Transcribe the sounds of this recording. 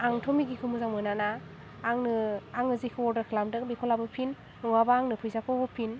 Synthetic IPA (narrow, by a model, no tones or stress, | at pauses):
aŋtʰɔmiɡikʰɯmuzaŋmɯnanaː | ŋnɯaŋɯzikʰɯɔɾdaɾkʰɯlamdɯkbikʰɔlabɯpʰin | uŋabaaŋnɯpʰɯjzakʰɔhɔpʰin